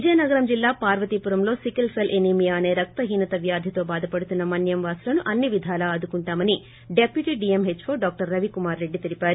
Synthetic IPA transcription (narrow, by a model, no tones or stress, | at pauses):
ʋid͡ʒɐnɐɡɐɾɐmd͡ʒilːaːpaːɾʋɐt̪ipuɾɐmlo̞ːsikɐlpʰelʔenimijaːne̞ːɾɐk̚t̪ɐɦiːnɐt̪ɐʋjaːd̪ʱjɐt̪o̞ːbaːd̪ʱɐpɐɽut̪unːɐmɐnjɐmʋaːsulɐnuʔɐnːiʋid̪ʱaːlɐːd̪ukuɳʈaːmɐni | ɖepjuʈiːɖiemɦet͡ʃːfʰoːɾɖaːk̚ʈɐɾːɐʋikumaːɾːe̞ɖːit̪iɾipaːɾu